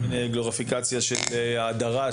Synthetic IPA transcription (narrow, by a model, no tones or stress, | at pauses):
mineɡloʁafikat͡sjaʃelːd̪aʁa